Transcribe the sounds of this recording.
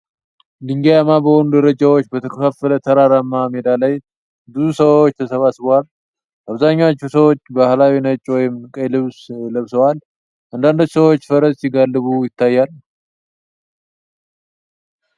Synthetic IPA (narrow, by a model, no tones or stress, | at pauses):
lɨŋɡejamabəho̞nud̪əɾəd͡ʒawo̞t͡ʃːbət̪ʰəkʰəfafələt̪ʰəɾaɾamːamed̪alaj | b̪ɨzusəwot͡ʃːt̪ʰəsəβasβəwal | ʔaβzaɲːawt͡ʃːusəwot͡ʃːbahlawinət͡ʃʼwɔjɪmkʼəjlɨβsləβsəwal | ʔɨnd̪and̪ot͡ʃːsəwot͡ʃːfəɾəssɪɡalːɨβujɪt̪ːajːal